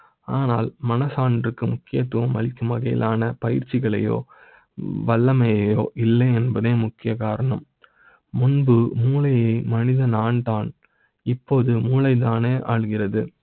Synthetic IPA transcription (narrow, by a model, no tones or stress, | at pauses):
aːnaːlmɐnɐsaːndrɯkːɯmʊkːɪjɐt̪ːʊʋɐmɐ̰lɪkːɯmɐɣɐjɪ̰lʔaːnɐpɐjɪɾt͡ʃːɪɣɐɭɐ̰jo̰ː | ʋɐɭːɐmɐjɐjo̰ːʔɪlːɐɪɛnbɐðeːmʊkːɪjɐkaːɾɐɳɐmː | ʊnbɯmuːlɐjɐɪmɐnɪðɐnaːnd̪aːn | ɪpːoːðɯmuːlɐɪt̪aːneːʔaːɻɣɪrɐðɯ